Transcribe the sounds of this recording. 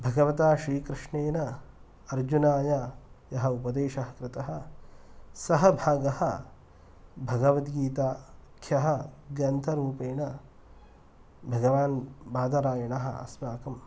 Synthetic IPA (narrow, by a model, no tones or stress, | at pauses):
bʱɐɡɐʋɐt̪aːʃɾiːkɾɪʂɳeːnɐ | ɐɾd͡ʒunaːjajɐɦɐ̆upɐd̪eːʃɐɦɐkɾɪt̪ɐɦɐ̆ | sɐɦɐbʱaːɡɐhɐ̆ | bʱɐɡɐʋɐt̪ɡiːt̪aːkʰjɐɦɐ̆ɡɐnt̪ʰɐɾuːpeːɳɐ | bʱɐɡɐʋaːnbaːd̪ɐɾaːjɐɳɐɦɐ̰ɐ̰smaːkɐm